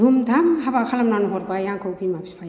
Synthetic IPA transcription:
umdʱamɦabakʰalamnanɦɔɾbajaŋkʰawpʰimapʰi̥spʰa

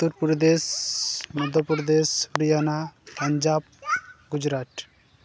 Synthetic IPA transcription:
t̪uɾpuɾd̪esmud̪ʱɔpuɾd̪espɾijanapɐɲd͡ʒaːb̚ɡud͡ʒɾaːʈ

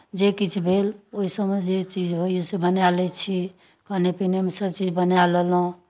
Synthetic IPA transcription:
d͡ʒekit͡ʃʰbʱeloisəbmed͡ʒet͡ʃid͡ʒɦojosebənjalɛt͡ʃʰi | kəɦnepinemesəb̚t͡ʃid͡ʒbənjaləlũ

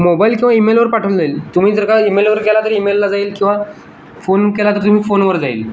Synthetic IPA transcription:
mobaːilkĩʋaimeːlʋəɾpaʈʰəld̪ailt̪ʊm̤ĩːt̪əɾkaimeːlʋəɾkelat̪əɾimeːlːad͡zaːilkĩwʋa | fʰoːnkelat̪əɾt̪um̤ĩfoːnʋəɾd͡zaːḭl

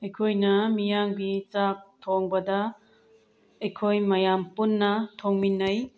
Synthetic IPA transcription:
ɐjkʰojnɐmijaŋbit͡ʃak̚tʰoŋbɐdɐ | ɐjkʰojmɐjampunːɐtʰoŋminːɐj

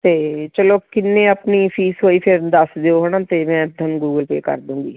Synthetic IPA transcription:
t̪eːt͡ʃəloːkɪnːeːəpniːpʰiːsɦoːiːpʰɪɾd̪əsd̪eːoːɦənãːt̪eːmɛ̃ːd̪ʱənɡuːɡəlpḛːkə̰ɾd̪ũːŋɡiː

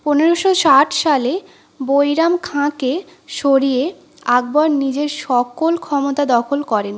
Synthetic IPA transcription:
poneɾoʃoʃaʈʰʃale | bojɾamkʰãke | ʃoɾije | aɡbaɾnid͡ʑeɾʃɔkolkʰɔmot̪ad̪ɔkʰolkɔɾen

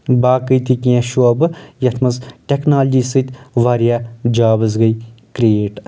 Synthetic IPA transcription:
baːkɨjt̪ikiẽʃobɨjɐt̪ʰmɐzʈʲeknaːld͡ʒiːsɨt̪ʲʋaːɾijaːd͡ʒaːbɨzɡɐjkɾeːʈ

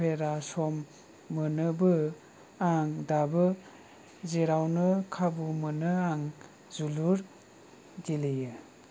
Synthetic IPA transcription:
eɾasɔmː | ənɯbɯ | aŋdabɯ | zeɾawnɯkʰabumənɯaŋ | zuluɾ | ɡilijɯ

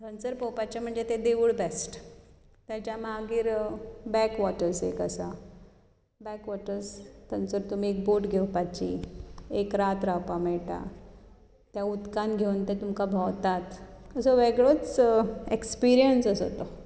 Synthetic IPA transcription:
t̪ʰənt͡səɾpəwpat͡ɕam̤əɳd͡zet̪ed̪eʋuɭbɛsʈ | t̪jat͡ɕjamaɡiːɾbɛkʋɔʈəɾsḛkəsa | bɛkʋɔʈəɾst̪ʰənt͡səɾt̪um̤iek̚boʈɡʱewpat͡ɕiekɾat̪ɾawpameɭʈa̰ | t̪jaut̪kanɡʱewnt̪et̪umkabʱawt̪at̪əsəʋeɡɭot͡sekspiɾijənsəsɦo̰t̪o

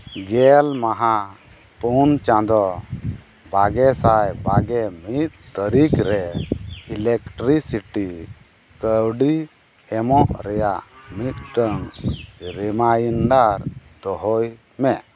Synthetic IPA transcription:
ɡɛlmaɦa | punt͡ʃãd̪ɔ | baɡɛsajbaɡɛmit̪̚t̪əɾikɾɛilekʈɾisiʈi | kəwɖi | ɛmɔʔɾɛjaʔmit̪̚ʈəŋɾimajinɖaɾd̪̥ɔɦɔj | mɛʔ

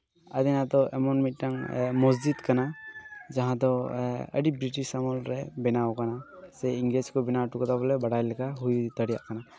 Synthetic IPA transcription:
a̰d̪ɛnad̪ɔʔɛmɔnmit̚taŋmɔsd͡ʒid̪kanad͡ʒaɦãd̪ɔə̰ɖibɾiʈiʃamɔlɾɛbɛnawkanasɛjiŋɡleskɔbɛnawʈukɔt̪abɔlɛbaɽajlɛkaɦujt̪əɽija̰ʔkana

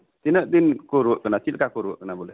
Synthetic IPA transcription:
tinədinkoɾokənatilkakoɾwokənabule

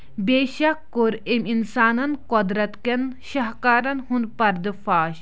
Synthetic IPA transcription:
beːʃɐkːoɾeminsaːnɐnkɔd̪ɾɐt̪kenʃɐɦkaːɾɐnhunpɐɾd̪ɨfaːʃ

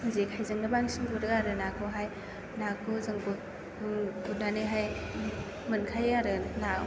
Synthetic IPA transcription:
mɯzekʰajzɯŋnɯbaŋsiŋbɯɾɯaɾɯnakʰɯɦaj | nakʰɯzɯŋbɯ | bunanɯɦaj | mɯnkʰajaɾɯna

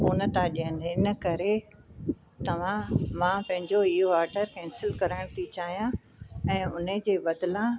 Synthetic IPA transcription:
uːnət̪aɗiə̃nɪnə̆kɐɾe | t̪ɐʋ̤ãmãpɐ̃ɦɪ̃ɲd͡ʑoɪɦoaːɾɖəɾkɛ̃ːnsɪlkɐɾəɽ̃t̪ʰit͡ɕaːɦijã | ɛ̃ːʊn̤əd͡ʑeːʋɐd̪lã

